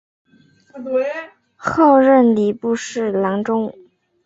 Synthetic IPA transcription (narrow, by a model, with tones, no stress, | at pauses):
xo˥˧ʊɻə˥˩nli˨˩pu˥˧ʂɻ̩˥˩lɑ˧˥ŋʈ͡ʂʊ˥ŋ